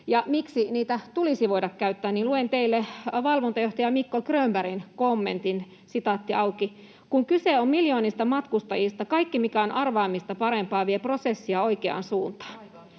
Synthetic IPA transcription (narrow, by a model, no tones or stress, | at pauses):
jɑmiksiniːt̪æt̪ulisiʋoidɑkkæyt̪ːæːnninluent̪eilːeʋɑlʋont̪ɑjoht̪ɑjɑmikːokrøːmbæɾinkomːḛnt̪in | sit̪ɑt̪ːiɑuki | kuŋkyseommiljoːnist̪ɑmɑt̪kust̪ɑjist̪ɑkɑikːimikæonʔɑrʋɑːmist̪ɑpɑɾempɑːʋieprosesːiɑoikeɑ̰ːˑnsuːnt̪ɑ̥ː